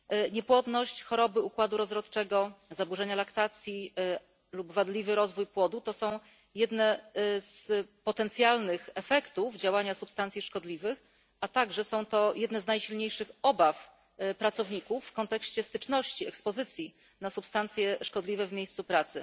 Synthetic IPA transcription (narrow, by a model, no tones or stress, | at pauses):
ɲɛpwɔd̪nɔɕt͡ɕxɔɾɔbɘukwad̪uɾɔzɾɔt̪t͡ʂɛɡɔzabuʐɛɲalakt̪at̪sʲji | lubvad̪lʲivɘɾɔzvujpwɔd̪ut̪ɔsɔ̃w̃ | jɛd̪nɛzpɔt̪ɛnt̪sʲjalnɘxɛfɛkt̪uvd͡ʑawaɲasupst̪ant̪ʲiʂkɔd̪lʲivɘx | at̪aɡʐɛsɔ̃w̃t̪ɔjɛd̪nɛznajɕilɲejʂɘxɔbaf | pɾat̪sɔvɲikufːkɔnt̪ɛkɕt͡ɕɛst̪ɘt͡ʂnɔɕt͡ɕiɛkspɔzɘt̪sʲji | nasupst̪ant̪sʲjɛʂkɔd̪lʲivɛvmʲjejst̪supɾat̪sɘ